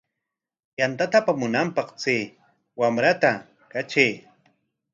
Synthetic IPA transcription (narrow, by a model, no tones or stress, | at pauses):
jant̪at̪apamʊnampɑqt͡seː | wamɾat̪a | kat͡ʃej